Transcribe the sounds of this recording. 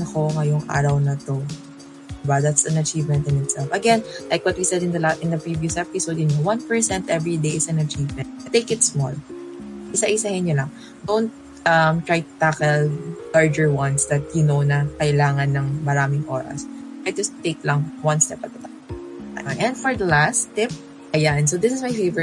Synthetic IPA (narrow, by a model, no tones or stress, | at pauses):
nɐko̞ŋɐjoŋʔa̰ːɾɐwnɐt̪o | d̪ɪbad̪at̪sɐnɐt͡ʃivmɛ̃nt̪ɪ̃nɪt̪sɛlfɐɡɛnlajkwɐt̪̚wisɛd̪ɪnd̪ɐaʔɪnd̪ɐpɹivjusʔɛpɪsowd̪ɪnowɐnpɛɹsɛ̃nt̪ʔɛvɹid̪ejɪsɐnɐt͡ʃivmɛ̃nt̪̚t̪ːeɪkɪt̪smɔ̰l | ʔɪsaʔɪsɐhɪnjolɐŋ | d̪ownt̪̚ | ʔɐmt̪ɹajt̪ʊ̥t̪akɛllaɹd͡ʒɛɹwɐnsd̪ɐt̪̚jʊnownɐkɐʔɪlaːŋɐnːɐŋmɐɾaːmɪŋʔo̰ːɾɐ̰st̪ɹajt̪ʊt̪eklɐŋwɐ̃nst̪ɛp̚ɐɡ̪̚ɐt̪a | a̰aʔɛ̃nd̪fɔɹd̪ɐlast̪ɪp̚ | ʔɐjansod̪ɪsɪsmajfejvɛɹ̚